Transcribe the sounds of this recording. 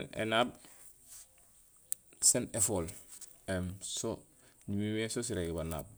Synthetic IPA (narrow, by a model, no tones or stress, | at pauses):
nḛnaːb | senefoːl | emso | ɲimiwesos̬iɾeɡbana̰ːb̚